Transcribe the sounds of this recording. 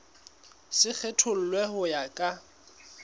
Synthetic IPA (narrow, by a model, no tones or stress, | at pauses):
sɪk͡xʰetʰʊl̩lwehʊjakʼa